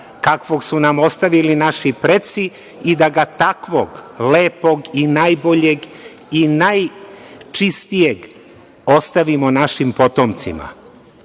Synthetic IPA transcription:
kakʋoɡsunamo̞st̪aʋilinaʃipɾet̪si | id̪aɡat̪akʋoɡleːpo̞ɡinajbo̞ʎe̞ɡ | inajt͡ʃist̪ijeɡ | o̞st̪aʋimonaʃimpo̞t̪omt̪sḭma̰

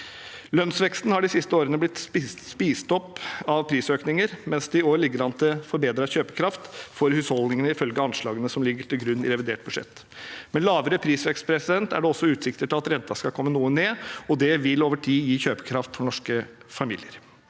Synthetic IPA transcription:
lœnsʋɛkst̪nhɑɖɪsɪst̪əoːɾənəblɪt̪sspiːst̪ɔpːɑʋpʰɾiːsøːknɪŋəɾmɛnsd̪ɛɪoːɾɭɪɡːəɾɑnt̪ʰəfɔɾbeːd̪ɾɑçøːpəkʰɾɑft̪fɔɾhʉːshɔld̪nɪŋənəɪfœlɡəɑnʂɭɑːɡənəsɔmlɪɡːəʈʰɪlɡɾʉnːɪ̰ɾɛʋɪd̪eːʈ̚bʉʂɛ̰t̪ː | mɛnlɑːʋəɾəpʰɾiːsʋɛkst̪̚pʰɾɛsɪd̪ɛnt̪æ̰ɖɛɔsːɔʉːt̪sɪkt̪əʈʰɪlɑt̪ɾɛnt̪ɑskɑlkʰɔmːənuːəneːɔd̪ɛʋɪloːʋəʈʰiːjiːçøːpə̥kʰɾɑft̪fɔɳɔʂkəfɑmḭːlɪəɾ

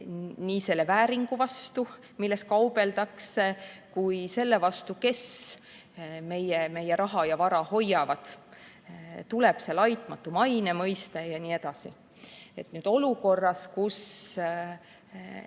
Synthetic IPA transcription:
niːse̞lːevæːɾiŋɡ̥uvɑst̪u | milːest̪̚kɑub̥e̞ld̪̥ɑkse̞kujse̞lːe̞vɑst̪uke̞s | me̞jeme̞jeɾɑɦɑjɑvɑɾɑho̞jɑvɑd̪̥ | t̪uleb̥se̞lɑjt̪ˑmɑt̪ːˑumɑjne̞mɤjst̪ejɑnie̞d̪̥ɑsḭ | e̞t̪nyːd̪̥o̞luko̞rːɑskus

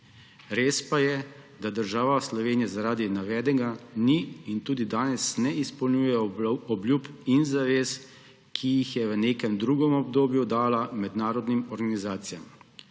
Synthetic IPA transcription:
ɾeːspajɛ | d̪ad̪əɾʒaːʋaslɔʋeːnijazaɾaːd̪inaʋɛːd̪ɛɡaniint̪uːd̪id̪aːnɛsnɛispɔlnʲjujɛɔblʲjuːpinzaʋeːs | kʰijixjɛʋəneːkɛmd̪ɾuːɡɔmɔbd̪oːbjud̪aːlamɛd̪naːɾɔd̪nimɔɾɡanizaːt̪sijam

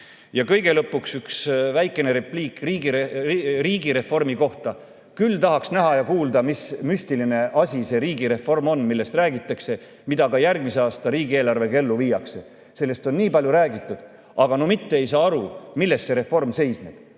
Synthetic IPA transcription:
jɑkɤ̞jɡ̥e̞lɤpːˑuksyksvæjkˑːe̞ne̞ɾepliːkːriɡiriːɡ̥iɾe̞fo̞rmiko̞ht̪ɑ | kylt̪ɑɦɑksnæɦɑjɑkuːld̪̥ɑmismyst̪iline̞ʔɑsʲise̞ɾiːɡiɾe̞fo̞rmo̞nmilːe̞st̪ræːɡit̪ːˑɑkse̞ | mid̪ɑɡɑjærɡ̥̚miseɑːst̪ɑɾiːɡie̞ːlɑrve̞ke̞lːuviːjɑkse̞ | se̞lːe̞st̪o̞nniːpɑlʲjuɾæːɡit̪ːˑud̪̥ | ʔɑɡɑno̞mit̪ːeejsɑːɑɾumilːe̞st̪se̞ɾe̞fːo̞rmse̞jsnḛb̥

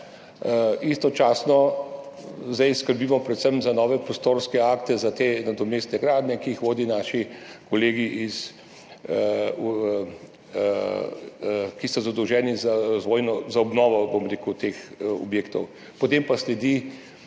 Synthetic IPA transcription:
ist̪ɔt͡ʃaːsnɔ | zd̪ajskəɾbiːmɔpɾɛt̪səmzanɔːʋɛpɾɔst̪oːɾskɛakt̪ɛzat̪enad̪ɔmeːst̪nɛɡɾaːd̪nʲɛkiːxʋoːd̪inaːʃikoleːɡiʔiz | kisɔzad̪ɔwʒɛːnizaɾazʋoːjnɔzaɔbnɔːʋɔbomɾeːkut̪eːxɔ̰bjeːkt̪ɔw | pɔt̪empaslɛd̪i

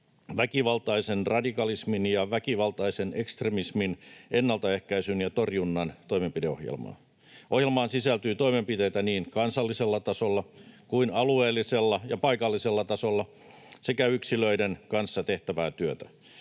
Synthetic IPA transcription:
ʋækiʋɑlt̪ɑisenrɑdikɑlisminjɑʋækiʋɑlt̪ɑisenekst̪remisminenːɑlt̪ɑehkæisynjɑt̪orjunːɑnt̪o̞imempideohjḛlmɑ̰ː | ʔohjelmɑːnsisælt̪yːt̪oimempit̪ejt̪æniːnkɑnsɑlːiselːɑt̪ɑsolːɑkuinɑlueːlːˑiselːɑjɑpɑikɑlːiselːɑt̪ɑsolːɑ | sekæyksiløidenkɑnsːɑt̪e̞ht̪æʋæːt̪yøt̪æ

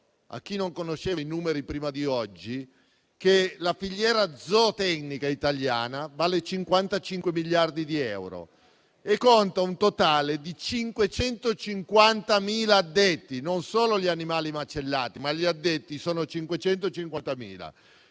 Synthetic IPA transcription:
a̰k̟ːinoŋkonoʃːeːinuːmeɾipɾiːmad̪iɔd͡ʒːi | kelafiʎːjɛːɾad̪zɔt̪ɛknikait̪aljaːnavaːlet͡ʃiŋkwant̪at͡ʃiŋkwemiʎːard̪id̪iɛ̰wɾo̰ | ekːont̪aunt̪ot̪aːled̪it͡ʃiŋkwet͡ʃɛnt̪ot͡ʃiŋkwant̪amiːlaːd̪ːet̪ːinonsoːloʎianimaːlimat͡ʃelːaːt̪imaʎiad̪ːet̪ːisoːnot͡ʃiŋkwet͡ʃɛnt̪oet͡ʃiŋkwant̪amḭːla̰

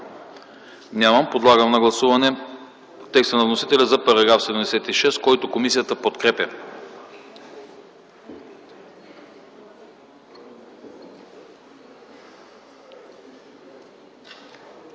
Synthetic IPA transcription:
nʲaməmpod̪lˠaɡəmnɐɡlˠɐsuvɐnɛ | t̪ːɛkst̪ənɐvnosit̪ɛlʲəzɐpɐɾɐɡɾafsɛd̪ɛmd̪ɛsɛt̪iʃɛst̪kɔjt̪okomisijət̪əpot̪kɾɛpʲə

